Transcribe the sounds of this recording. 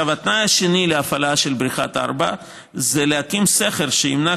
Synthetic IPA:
avat̪najhaʃenileafalaʃe̞lbɾiχa̰t̪a̰ɾba̰ | zelehakimseχelʃeimna

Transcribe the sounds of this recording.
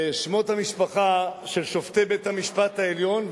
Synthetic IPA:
ʃmo̞thamiʃpaχaʃelʃo̞ft̪ebethamiʃpat̪haeljo̞n

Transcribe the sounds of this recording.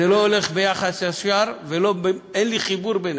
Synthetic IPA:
eloole̞χbejaχasaʃaɾvelobenliχibuɾben

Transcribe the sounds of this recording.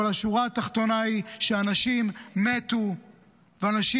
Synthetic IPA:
alaʃuʁaːt̪aχt̪o̞naiʃeanaʃimːet̪u | veanaʃi

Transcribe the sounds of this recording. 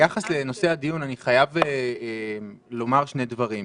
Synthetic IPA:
jaχasle̞no̞se̞ad̪ijunaniχajave | lo̞maʁʃne̞dvaʁim

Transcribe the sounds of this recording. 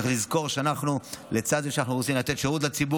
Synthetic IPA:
eχlizko̞ʁʃeanaχnulet͡sad̪zeʃanaχnuʁot͡simlat̪e̞t̪ʃeʁut̪̬lat͡sibu

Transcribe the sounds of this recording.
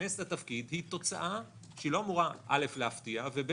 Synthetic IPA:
eslatafkid̪hit̪o̞t͡sa̰ʔa | ʃilo̞amuʁaʔa̰le̞flehaftiavebe

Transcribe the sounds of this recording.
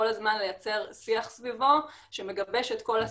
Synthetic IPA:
olazmanle̞jat͡se̞ʁsiaχsvivo̞ | ʃeme̞ɡabe̞ʃet̪ko̞la

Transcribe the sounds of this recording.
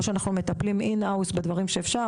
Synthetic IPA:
ʃeanaχnume̞t̪apliminausbed̪vaʁimʃeːfʃa

